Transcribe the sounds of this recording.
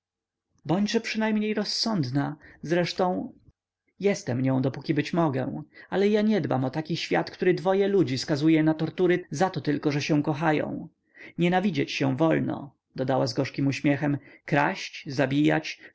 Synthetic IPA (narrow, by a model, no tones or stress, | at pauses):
bɔɲd͡ʑʐɛpʂɘnajmɲejɾɔsːɔnd̪nazɾɛʂt̪ɔ̃w̃ | jɛst̪ɛmɲɔ̃w̃d̪ɔpukʲibɘt͡ɕmɔɡɛ̰̃alɛjaɲɛd̪ba̰mɔt̪akʲiɕfʲja̰t̪kt̪uɾɘd̪vɔjɛlud͡ʑiskazujɛnat̪ɔɾt̪uɾɘzat̪ɔt̪ɘlkɔʐɛɕɛ̃w̃kɔxajɔ̰̃w̃ | ɲɛnavʲid͡ʑet͡ɕɕɛ̃vɔlnɔ̰ | d̪̥ɔd̪awazɡɔʂkʲimuɕmʲjɛxɛmkɾa̰ɕt͡ɕzabʲija̰t͡ɕ